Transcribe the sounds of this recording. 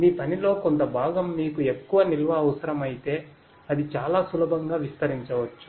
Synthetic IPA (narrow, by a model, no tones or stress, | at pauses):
niːpɐnilo̞ːko̞nt̪ɐbʱaːɡɐmːiːkue̞kːuʋɐnilʋɐːʋɐsɐɾɐmɐjit̪e̞ː | ɐd̪it͡ʃaːlaːsulɐbʱɐŋɡaːʋist̪ɐɾiɲt͡ʃɐʋɐt͡ʃːu̥